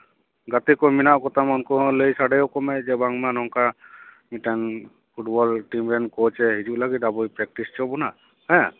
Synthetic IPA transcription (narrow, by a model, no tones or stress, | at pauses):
ɡat̪ɛkɔminaʔkɔt̪amɔnkɔləjsaɖɛjɔkɔmɛd͡ʒɛbaŋmanɔŋka | miʈan | pʰuʈbɔlʈimɾɛnkɔt͡ʃɛɦid͡ʒuʔlaɡit̪̚abɔjpɾɛk̚ʈist͡ʃɔbɔna | hɛ̃